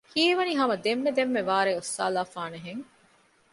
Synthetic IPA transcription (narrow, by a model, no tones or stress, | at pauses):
kiːʋɐniɦɐmɐd̪emːed̪emːeʋaːɾeːosːa̰ːlaːfaːneɦeŋ